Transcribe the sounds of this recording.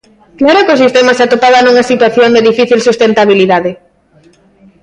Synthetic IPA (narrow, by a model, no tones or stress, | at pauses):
klaɾokos̬ist̪ɛmasat̪opaβanuŋasit̪waθjoŋd̪eðifiθilsust̪ent̪aβ̞iliðaðɪ